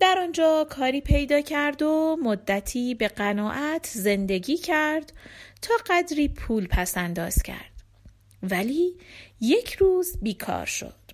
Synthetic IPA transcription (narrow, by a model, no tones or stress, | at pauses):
d̪̥æɾɒnd͡ʒɒːkʰɒːɾiːpʰe̞jd̪ɒːcʰæɾd̪omod̪ːæt̪ʰiːbe̞ɢænɒːʔæt̪ʰze̞nd̪e̞ɟiːcʰæɾd̪̥t̪ʰɒːɢæd̪ɾiːpʰuːlpʰæsænd̪ɒːz̥cʰæ̰ɾd̪̥ | væliːje̞cʰɾuːzbiːkʰɒ̰ːɾʃo̞̰d̪̥